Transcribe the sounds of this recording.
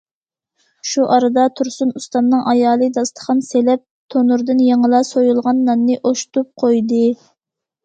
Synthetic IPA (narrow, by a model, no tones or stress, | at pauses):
ʃuʔɑɾɨd̪ɑt̪ʰuɾsunust̪ɑnnɨŋʔɑjɑːlˠɨd̪ɑst̪ə̥χɑnselɛp̚t̪ʰonuɾd̪ɨnjeŋəlˠɑsojulˠʁɑnːɑnːɨʔoʃt̪up̚qʰojd̪ɨ